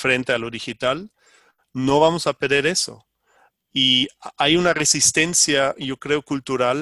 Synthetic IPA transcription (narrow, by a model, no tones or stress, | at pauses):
fɾe̞nt̪e̞alo̞ðixit̪al | no̞βamo̞sapeɾðe̞ɾe̞so̞̰ | iajunare̞sist̪e̞nsjaʝo̞kɾe̞okult̪uɾal